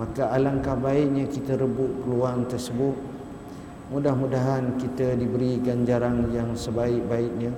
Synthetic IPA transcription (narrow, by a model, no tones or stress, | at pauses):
makaʔalaŋkahbaɪʔ̚ɲakit̪əɾəbʊʔpəluaŋt̪ərsəbʊt̪̚ | mudahmudaɦankit̪ədibəɾiɡaɲd͡ʒaɾaŋjaŋsəbaɪk̚baɪʔ̚ɲã